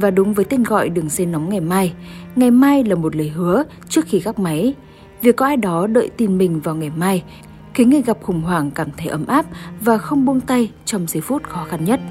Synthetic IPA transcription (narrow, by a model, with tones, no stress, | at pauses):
vaː˨˩ɗʊ˨˦ŋ͡mvəː˨˦jt̪e˧nɣɔ̰˧˨jɗɨ˨˩əŋse˧nːɔ˨˦wŋ͡mŋa˨˩jmaː˧jŋa˨˩jmaː˧jlaː˨˩mo˨˩t̬̚ləː˨˩jɦɨ˨˦ə | t͡ɕɨ˦˥ək̚xi˧kaː˦˥k̚ma˨˦j | vi˨˩əkːɔ˨˦ʔaː˧jɗɔ˨˦ɗə̰ː˧˨jt̪i˨˩nmï˨˩ŋ̟vaː˨˩wŋa˨˩jmaː˧j | ki˨˦ŋɨ˧jɣa˨˩p̚xʊ˨˧˩ŋ͡mhwaː˧˩ŋkaː˧˩mt̪ʰə˨˦jʔə˨˦mʔaː˦˥p̚vaː˨˩xə˧wŋ͡mɓu˧ənt̪a˧jt͡ɕɔ˧wŋ͡mzə˨˦fu˦˥t̚xɔ˨˦xa˧nɲə˦˥t̚